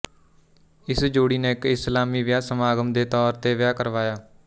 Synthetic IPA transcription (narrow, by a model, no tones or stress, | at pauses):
ɪsd͡ʒoːɽiːnẽːkɪslaːmiːʋɪjaːsəmaːɡəmd̪eːt̪ɔːɾt̪eːʋɪjaːkəɾʋaːjaː